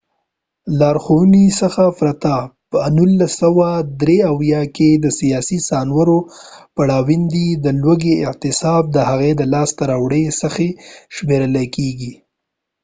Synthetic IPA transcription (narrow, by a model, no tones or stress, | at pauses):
lɑɾxonisəxafɾat̪apənulːasawad̪ɾeawjɑked̪əsijɑsisɑnwəɾopaɽɑwind̪id̪əlwaɡeɪʔt̪ɪsɑb̚d̪əhaɣed̪əlɑst̪aɾɑwɽesəxeʃmeɾəlakeɡi